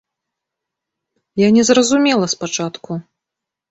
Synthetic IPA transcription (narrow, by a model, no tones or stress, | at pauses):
janʲɛzrɐzumʲɛlˠɐspat͡ʂat̪ku